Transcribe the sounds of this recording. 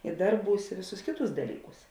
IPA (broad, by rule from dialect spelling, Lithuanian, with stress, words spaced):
ɪ ˈdɐrˌbuːs ɪ ˈʋʲeːˌsuːs ˈkʲeːˌtuːs dɐˈlʲiːˌkuːs